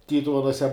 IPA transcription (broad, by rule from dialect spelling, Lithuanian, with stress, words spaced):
ˈtʲiːtʊʋʲɛnuɔsʲɛ